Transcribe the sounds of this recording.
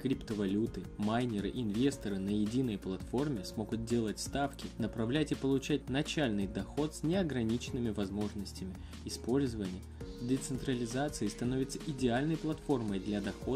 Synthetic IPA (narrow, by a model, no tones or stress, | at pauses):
kɾʲipt̪əvɐlʲut̪ɨmajnʲɪɾɨʔɪnvʲe̞st̪əɾɨnəjɪdʲinːəjplˠɐt̪fo̞rmʲɪsmo̞ɡʊt̪̚dʲe̞lˠətʲst̪afkʲɪnəpɾɐvlʲætʲipəlˠʊt͡ɕæt̚ʲnɐt͡ɕælʲnɨjd̪ɐxo̞t̪sʲnʲɪɐɡɾɐnʲit͡ɕɪnːɨmʲɪvɐzmo̞ʐnəsʲtʲɪmʲɪ | ɪspo̞lʲzəvənʲɪjəd̪ʲɪt̪sɨnt̪ɾəlʲɪzat̪sɨɪst̪ɐno̞vʲɪt̪səʔɪdʲɪalʲnəjplˠɐt̪fo̞rməjd̪lʲɐd̪ɐxo̞